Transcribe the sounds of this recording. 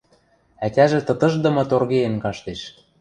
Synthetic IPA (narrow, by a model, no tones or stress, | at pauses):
æt̪ʲæʒĕt̪ɤ̆t̪ɤ̆ʒd̪ɤ̆mɤ̆t̪orɣejenkɑʃt̪eʃ